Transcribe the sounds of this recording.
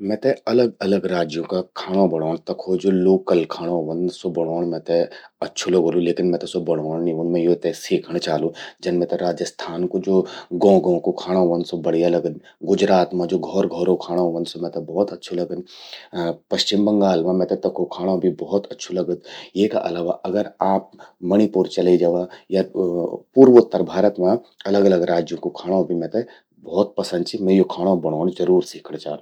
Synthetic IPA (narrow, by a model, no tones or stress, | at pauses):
mɛ̃ːt̪eɐləɡɐləɡɾaːd͡ʒjõkakʰaːɽ̃õbɐɽ̃oːɽ̃t̪ɐkʰod͡ʒoːloːkəlkʰaːɽ̃õɦʋənsobɐɽ̃oːɳ̃mɛ̃ːt̪eɐtːʃʰoloɡolũleːkɪnmɛ̃ːt̪esobɐɽ̃oːɽ̃nĩonmɛ̃joːt̪esiːkʰəɽ̃t͡ʃaːlũd͡ʒɐnmɛ̃t̪eɾaːd͡ʒəst̪ʰaːnkod͡ʒoːɡɔ̃ːɡõkokʰaːɽ̃ãɦʋənsobɐɽ̤ijalɐɡəd̪̚ | ɡʊd͡ʒɾaːt̪mãd͡ʒoːɡʱɔːɾɡʱɔɾokʰaːɽ̃ãɦoʋənsomɛ̃ːt̪ebɔːt̪ɐtːʃʰolɐɡən | pɐʃt͡ʃɪmbɐ̃ŋɡaːlmãmɛ̃ːt̪et̪ɐkokʰaːɽ̃õbʱibɔːɔt̪ɐtːʃʰolɐɡəd̪jeːka̰ʔɐlaːʋaʔɐɡəɾaːp̚mɐɽ̃ipuɾt͡ʃɐled͡ʒaʋajapuːɾʋot̪ːəɾbʱaːɾət̪mãɐləɡɐləɡɾaːd͡ʒjõkokʰaːɽ̃õbʱimɛ̃ːt̪e | bɔːt̪̚pɐsə̃nd̪t͡ʃʰimɛ̃jokʰaːɽ̃õbɐɽ̃oːnd͡ʒɐɾuːɾsiːkʰəɽt͡ʃãː